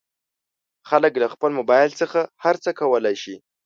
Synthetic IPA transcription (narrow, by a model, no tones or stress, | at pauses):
xaləklaxpəlmʊbɑjlt͡səxahaɾt͡səkawəlajʃi